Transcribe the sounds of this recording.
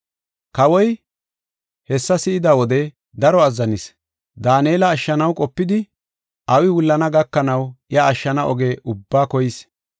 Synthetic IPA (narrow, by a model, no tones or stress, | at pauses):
kɐwɔj | hɛsːɐsɪɪd̪ɐwɔd̪ɛ | d̪ɐɾɔɐzːɐnɪs | d̪aːneːlɐːʃːɐnɐwkʼɔpːɪd̪ɪ | ʔɐwɪwʊlːɐnɐɡɐkːɐnɐwjɐːʃːɐnɐʔɔɡeːʔʊbːaːkɔjɪs